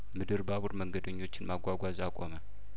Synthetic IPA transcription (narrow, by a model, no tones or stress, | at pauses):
mɨd̪ɨɾbaβuɾməŋɡəd̪əɲːo̞t͡ʃːɪnmaɡʷaɡʷazakʼomə